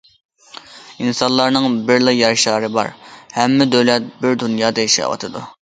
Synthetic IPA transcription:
insɑnlˠɑɾnɨŋbɪɾlˠɨjɑɾʃɑːɾɨbɑ̰ɾhɛmːɪd̪øwlɛt̪̚bɪɾd̪unjɑːd̪ɑiʃɑ̰ːwɑ̰t̪ʰɨd̪ṵ

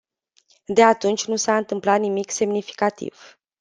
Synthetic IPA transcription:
d̪e̞at̪unt͡ʃʲnusaɨnt̪ɨmplat̪nimikse̞mnifi̥kat̪ḭv̥

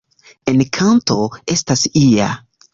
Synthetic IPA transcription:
enkʰantoe̞stasia̰

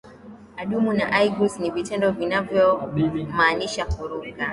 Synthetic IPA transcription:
aɗumunaʔajɡusnivitɛndɔvinavjɔmaːniʃakuɾuɡa

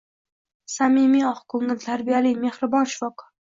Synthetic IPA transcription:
samimiɒχkʰɵŋɪlt̪ʰaɾbijalijme̞hɾɪbɒnʃɪ̥fɒq

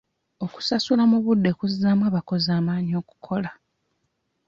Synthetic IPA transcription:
o̞ku̥sasulamuβudːe̞kuzizamwaːβako̞zaːmaːɲio̞ːku̥kʰo̞la

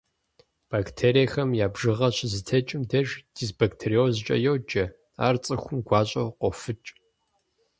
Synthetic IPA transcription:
b̥aːktʰeːɾijɐxɐmjaːbʒɨʁɐɕɪzɨtʰɐt͡ʃʼɪmdɐʒd̥izbaktʰeɾiozt͡ʃʼɐ̰jowd͡ʒɐ | a̰ːrt͡sʼɨxʷʊmɡʷɑːɕʼɐwqʷɔfɨt͡ʃʼ

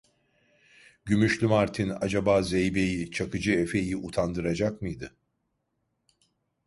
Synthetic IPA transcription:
ɟymyʃlʲymaɾt̪ʰina̰d͡ʒabaːzejbe̞jit͡ʃʰakʰɯd͡ʒɯe̞fe̞jiʔut̪ʰand̪ɯɾad͡ʒakmɯjd̪ɯ

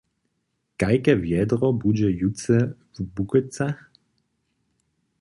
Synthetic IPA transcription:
kajkɛvjɛd̪ɾɔbud͡ʑɛjut̪t͡sɛvbukɛt͡sax

